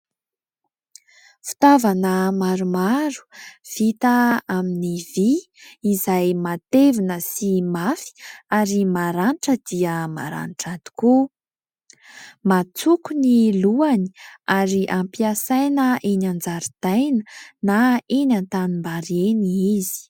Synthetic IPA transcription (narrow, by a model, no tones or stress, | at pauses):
fi̥t̪avanəmaɾumaɾu̥v̥it̪aaminiviː | zajmat̪evinəsimafi̥aɾimaɾaniʈ͡ʂəd̪iəma̰ɾa̰niʈ͡ʂad̪u̥ku | mat͡sukuniluani̥aɾiʔampiasajnəʔenand͡zaɾid̪̥ajnənaenant̪animbaɾeniizi̥